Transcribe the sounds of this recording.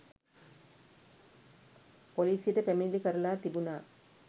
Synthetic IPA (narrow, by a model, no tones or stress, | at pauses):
poliːsijeʈəpæmilikəɾɐlaːt̪ibunaː